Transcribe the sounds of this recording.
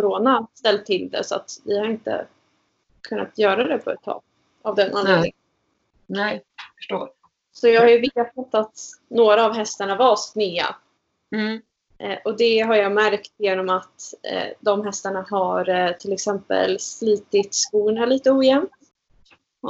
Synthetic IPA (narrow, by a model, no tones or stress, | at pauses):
kʊɾoːnast̪ɛlt̪ʰːɪld̪ɛ̰sɔa̰t̪vɪhaɾɪnt̪ə̰ | kʰɵnːat̪ʰjœːɾad̪ɛpʰɔɛ̰t̪ʰːɑ̰ːɡ̚ | avd̪ɛnʔanlḛːd̪ɪŋ | nɛfə̥ʂʈoːɾ | sɔjɑːɡhaɾjɵvet̪at̪ːat̪noːɾaːvɦɛst̪aɳavɑsknɪːa̰ | ʔʔɔd̪ɛɦaɾjɑːmæɾkt̪jeːnɔmat̪ːd̪ɔmɦɛst̪aɳaɦaɾt̪ʰɪlɛksɛmpə̰lsliːt̪ɪt̪skuːɳaliːt̪əuːjɛmtt̪